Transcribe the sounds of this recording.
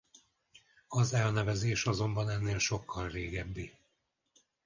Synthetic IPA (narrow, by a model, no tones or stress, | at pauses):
ɒzɛlnɛvɛzeːʃɒzo̞mbɒnɛnːeːlʃo̞kʰːɒlreːɡɛbːi